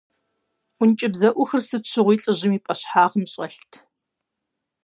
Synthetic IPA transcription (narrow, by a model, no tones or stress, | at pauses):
ʔʷʊnt͡ʃʼɪbzɐʔʷʊxɨrsɨt͡ʃʰɪʁʷiːɬʼɨʑɪmiːpʼɐɕħaːʁəmɕʼɐɬtʰ